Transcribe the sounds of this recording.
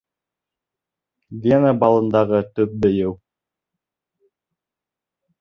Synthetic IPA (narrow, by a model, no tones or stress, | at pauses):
d̪ʲenəbɑlˠɤ̆nd̪ɑʁɤt̪ɵp̚bɘ̆jɘw